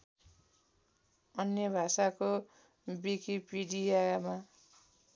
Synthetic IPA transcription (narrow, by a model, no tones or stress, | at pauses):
ʌnjʌbʱasako | bikipiɽijama